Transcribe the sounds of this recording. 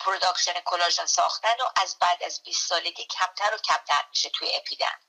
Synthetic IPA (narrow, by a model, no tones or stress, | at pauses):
pʰɾod̪ɒːkʲʃenekʰo̞lɒːʒonsɒ̰ːχt̪ænoʔæzbæːd̪æzbiːst̪sɒːled̪ʲiːcʲʰæmt̪ʰæɾocʰæmt̪ʰæɾmiʃet̪ʰujeepʰid̪æ̰n